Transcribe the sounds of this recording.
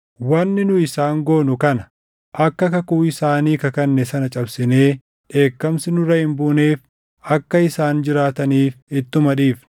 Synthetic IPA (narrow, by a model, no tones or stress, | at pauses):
wɐnːɪnʊɪsaːŋɡo̞ːnʊkɐnɐ | ʔɐkːɐkɐkuːɪsaːniːkɐkɐnːɛsɐnɐt͡ʃʼɐbsɪne̞ː | ᶑe̞ːkːɐmsɪnʊrɐhɪmbʊneːf | ɐkːɐɪsaːnd͡ʒɪɾaːt̪ɐniːfɪt̪ːʊmɐᶑiːf